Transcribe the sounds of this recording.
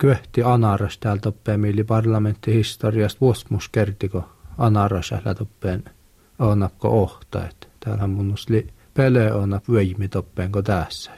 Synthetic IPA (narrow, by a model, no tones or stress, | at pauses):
kyeht̪iɑnɑrɑst̪æːlt̪opːeˑːmielːipɑrlɑment̪ːihist̪oriɑst̪ʋuosmuskert̪ikoɑnɑrɑsæ̰hlæ̰t̪opːeːn | oːˑnɑpko̰oht̪ɑ̰ḛt̪t̪æːlhæmmunːust̪li | peleoːˑnɑpʋøˑjmit̪opːeˑːŋkot̪æːˑsːæ̥